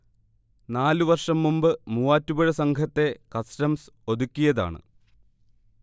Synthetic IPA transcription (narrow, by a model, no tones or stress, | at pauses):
naːluʋɐrʂɐmːumbɨmuːaːtːubɐɻɐsɐŋɡʰʱɐt̪ːe̞kɐstɐmso̞d̪ukʲːijɐða̰ːɳɨ̰